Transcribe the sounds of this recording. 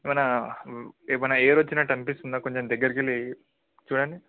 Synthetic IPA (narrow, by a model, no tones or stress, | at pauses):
emɐna | emɐnaeːɾot͡ʃːinɐʈɐmpist̪und̪aːkoɲt͡ʃemd̪ɐɡːɐɾikilːi | t͡ʃuːɽaːni